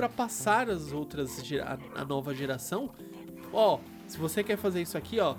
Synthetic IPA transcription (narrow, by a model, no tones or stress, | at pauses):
pɾɐpasaɾɐzowt̪ɾɐzʒeɾɐ̰ | ɐ̰nɔvɐʒeɾasɐ̃w̃ | ɔ | sɪvosekɛɾfazeɾisʊakʰiɔ